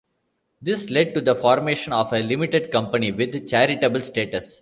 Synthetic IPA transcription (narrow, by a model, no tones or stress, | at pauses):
d̪ɪslɛɖ̚ʈud̪əfɔːɾmeːʃə̃nɔːfelɪmɪʈeɖkʌ̃mpəniʋɪd̪t͡ʃæɾɪʈebəlsʈeːʈəs